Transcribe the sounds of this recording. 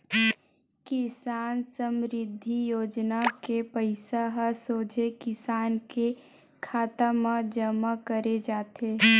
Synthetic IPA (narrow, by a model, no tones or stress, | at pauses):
kɪsaːnsəmɾɪd̪ʱːijoːd͡ʒnakepəɪsaɦəsoːd͡ʒʱekɪsaːnke | kʰaːt̪amãd͡ʒəmakəɾed͡ʒaːt̪eː